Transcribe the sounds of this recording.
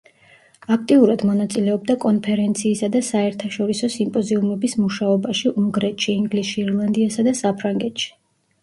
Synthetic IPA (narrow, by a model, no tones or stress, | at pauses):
akʰt̪ʼiuɾad̪mɔnat̪sʼilɛɔb̚d̪akʼɔnpʰɛɾɛnt̪sʰiːsad̪asaɛɾt̪ʰaʃɔɾisɔsimpʼɔziumɛbismuʃaɔbaʃiʔuŋɡɾɛt̪ʃiːŋɡlisʃiːɾlˠand̪iasad̪asapʰɾaŋɡɛt̪ʃi̥